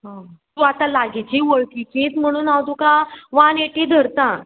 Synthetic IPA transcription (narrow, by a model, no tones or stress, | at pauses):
ɦãt̪ũat̪alaɡet͡ɕiʋəɭkikẽt͡s̪m̤əɽ̃uːnaʋt̪ũkãʋãneʈĩd̪ʱəɾt̪ã